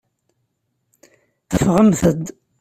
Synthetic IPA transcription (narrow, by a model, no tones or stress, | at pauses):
θəfʁəmθəd̪